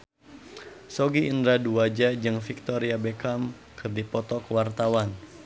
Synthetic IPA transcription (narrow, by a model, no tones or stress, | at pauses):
soɡiːndɾaduad͡ʒad͡ʒɨŋfik̚t̪ɔɾiabekam | kʰɨrdipɔt̪ɔkəwart̪awan